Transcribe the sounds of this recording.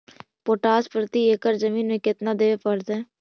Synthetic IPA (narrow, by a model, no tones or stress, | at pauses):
poːʈaːspɾət̪ieːkəɾzəmiːnmẽkɪt̪nad̪eːʋepəɾd̪ɦɛ̃ː